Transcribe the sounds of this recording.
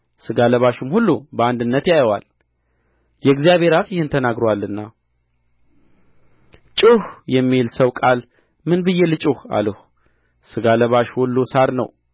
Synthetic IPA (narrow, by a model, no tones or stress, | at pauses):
sɨɡaləβaʃumhulːubəand̪ɨnːət̪jajəwa̰l | jɛɡzijaβʱe̞ɾafjɪhɨnt̪ʰənaɡɾowalːɨnːa | t͡ʃʼɨhjɛmːilsəwkʼal | mɨnbɨjːɛlɨt͡ʃʼuha̰ləh | sɨɡaləβaʃhulːusaɾnə̰w